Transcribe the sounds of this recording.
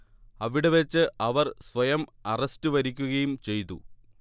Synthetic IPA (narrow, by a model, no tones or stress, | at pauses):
ɐʋiɽe̞ʋet͡ɕːɨʔɐʋɐrsʋɐjɐmɐrɐstɨʋɐɾikʲːuɣɐjumt͡ɕe̞jt̪ːṵ